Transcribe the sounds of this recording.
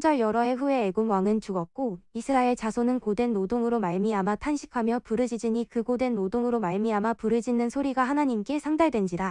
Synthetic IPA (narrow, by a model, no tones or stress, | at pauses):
d͡ʑʌɭjʌɾʌɦe̞ɸue̞ːɡomwaŋɯnt͡ɕuɡʌt̚k͈oisʰɯɾaeɭt͡ɕasʰonɯnkodwe̞nːodoŋɯɾomaɭmiamatʰanɕʰi̥kʰamjʌpuɾɯd͡ʑid͡ʑiɲikɯɡodwe̞nːodoŋɯɾomaɭmiamapuɾɯd͡ʑinːɯnsʰoɾiɡaɦanaɲimk͈e̞sʰaŋdaɭdwend͡ʑida